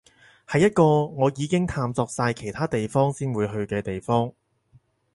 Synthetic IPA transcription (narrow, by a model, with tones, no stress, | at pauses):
hɐ˨jːɐ˥t̚kɔː˧ŋɔː˨˧jiː˨˧kɪ˥ŋt̪ʰaː˧mt͡sɔː˧k̚saː˧jkʰe˨˩jt̪ʰaː˥t̪e˨jfɔː˥ŋsiː˥nwuː˨˧jɦɵ˧ɥkɛː˧t̪e˨jfɔː˥ŋ